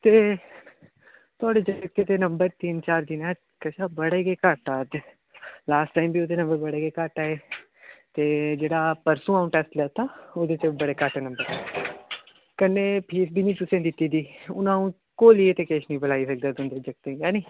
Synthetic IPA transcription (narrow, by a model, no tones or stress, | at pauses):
t̪eː | t̪ʊaːɽeːd͡ʒəək̚t̪eːt̪eːnəmbəɾt̪iːnt͡ʃaːɾd̪inaː | kəʃaːbəɽeːɡeːkaʈaːd̪ | laːsʈʈaːimbʱiːoːd̪eːnə̃mbəɾbəɽeːɡeːkaʈaːeː | t̪eːd͡ʒeːɽaːpəɾsũːãːʊɳʈɛːsʈlɛt̪aːod̪eːt͡ʃebəɽeːkaʈeːnə̃mbəɾ | kənːeːpʰiːsbiːnĩːt̪ʊsẽːd̪ɪt̪ːiːd̪iːʊnãːũː | koːliːet̪eːkeːʃnĩːbəlaːisək̚d̪aːt̪ʊnd̪eːd͡ʒək̚t̪ẽːaːnĩː